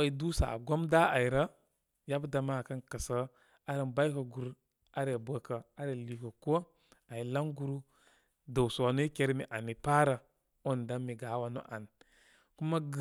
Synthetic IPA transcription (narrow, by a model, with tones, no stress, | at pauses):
a˦i˨du˦sa̰˨ɡo˦mda˦a˨i˨ɾə˦ | ja˦bda˨ma˦˨ka˦nkə˨sə˦ | a˦ɾə˨nba˦kə˨ɡu˨ɾ | a˦ɾe˨bə˨kə˨a˦ɾe˨li˨kə˨ko˦ | a˨ji˨la˦ŋɡu˦ɾu˦ | da˨wsu˨wa˨no˦i˦ke˦ɾmi˨ʔa˨ni˨pa˦ɾa˨ | o˦n˨da˦mi˨ɡa˨˦wa˨no̰˦ʔa˨n | ku˦ma˦ɡ